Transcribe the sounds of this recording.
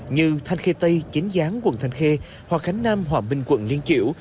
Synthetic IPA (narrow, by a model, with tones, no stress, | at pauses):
ɲɨ˧t̪ʰa˧jŋ̟xe˧t̪ə˧jt͡ɕi˨˦ŋ̟zaː˨˦ŋkwə̰˧˨nt̪ʰa˧jŋ̟xe˧ | hwaː˨˩k̚xa˨˦jŋ̟naː˧mɦwaː˨˩ɓï˨˩ŋ̟kwə̰˧˨nli˧ənt͡ɕḭ˧˩əw